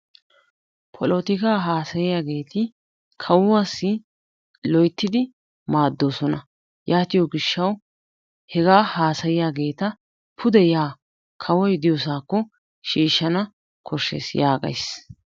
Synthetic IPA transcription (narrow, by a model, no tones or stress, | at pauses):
pʰɔlɔt̪ɪkaːɦaːsɐjɪjaːɡe̞ːt̪ɪ | kʰɐwːasːɪ | lɔjt̪ːɪd̪ɪ | maːd̪ːo̞ːsɔnɐ | jʔaːt̪ɪjɔɡɪʃːɐw | hɛɡaːhaːsɐjɪjaːɡe̞ːt̪ɐ | pʰʊd̪ɛjaː | kʰɐwɔjd̪ɪjɔsaːkːɔ | ʃiːʃːɐnɐ | kʰɔʃːḛːsjaːɡɐ̰js